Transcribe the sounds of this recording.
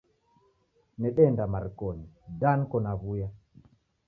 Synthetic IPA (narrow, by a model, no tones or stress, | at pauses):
nɛɗɛndamaɾkonidankɔnaβuja